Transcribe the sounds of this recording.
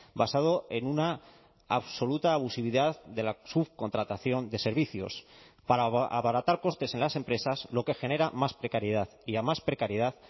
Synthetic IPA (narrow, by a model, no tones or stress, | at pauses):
basað̞o̞e̞nuna | a̰βso̞lut̪aːβ̞usiβ̞iðaððe̞lasuβko̞nt̪ɾat̪aθjo̞nd̪e̞se̞ɾβiθjo̞̰s | paɾaaβaɾat̪aɾko̞st̪e̞se̞nlase̞mpɾe̞saslo̞ke̞xe̞ne̞ɾamaspɾe̞kaɾjeð̞aðiamaspɾe̞kaɾjeðaθ